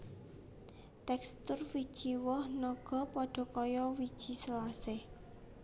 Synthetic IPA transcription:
t̪ɛkst̪ʊrfid̥ʒ̥iwɔhnɔɡ̥ɔ̤pɔɖ̥ɔ̤kɔjɔwid̥ʒ̥i̤slasɪh

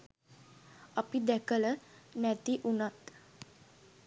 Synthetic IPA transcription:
əpid̪ɛkələnɛt̪iʔunət̪

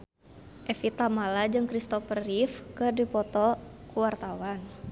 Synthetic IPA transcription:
ʔɛfit̪amalad͡ʒɨŋkɾist̪ɔfərːifkɨrdipɔt̪ɔkuwart̪awan

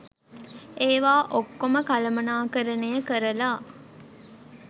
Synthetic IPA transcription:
ʔeːʋaːʔokːoməkɐlɐmɐnaːkəɾɐnejəkəɾɐlaː

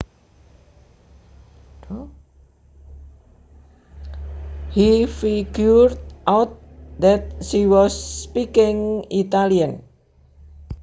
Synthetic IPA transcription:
hifiɡjurdʔawt̪̚ | d̪ɛt̪̚ʃiwɔsːpikɪŋit̪aliən

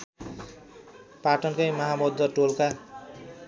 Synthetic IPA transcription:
paʈɔnkejmaɦamod̪ːɔʈolkʰa

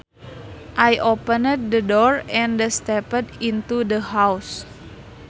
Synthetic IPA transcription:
ʔajʔopənət̪̚dədɔɹɛ̃ndəst̪ɛpədint̪udəɦaws

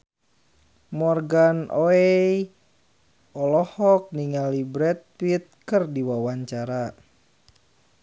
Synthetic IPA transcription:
mɔrɡanʔoɛj | ɔlɔhɔk̚niŋalibɾɛt̪̚fit̪̚kɨrdiwawaɲt͡ʃaɾa

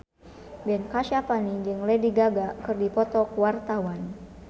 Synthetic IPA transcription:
bɛnkaʃapanid͡ʒɨŋlɛdiɡaɡakɨrdipɔt̪ɔkwart̪awan

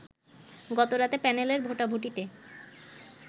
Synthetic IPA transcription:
ɡɔt̪oɾat̪epɛneleɾbʱoʈabʱoʈ̬it̪e

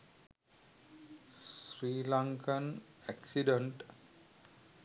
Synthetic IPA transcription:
sɾiːlaŋkən | æksiɖeɳʈ

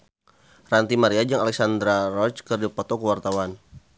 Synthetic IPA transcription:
rant̪imaɾiad͡ʒaŋalɛk̚sand̪ɾarɔt͡ʃkərdupɔt̪ɔkəwart̪awan

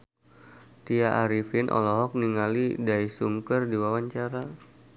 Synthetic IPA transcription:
t̪iaʔaɾifɪnʔɔ̰lɔɦɔk̚niŋalidajsuŋkərdiwawaɲt͡ʃaɾa

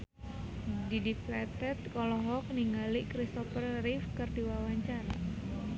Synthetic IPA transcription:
didiplɛt̪ɛt̪̚kɔlɔɦɔk̚niŋalikɾist̪ɔfərrifkɨrdiwawaɲt͡ʃaɾa̰

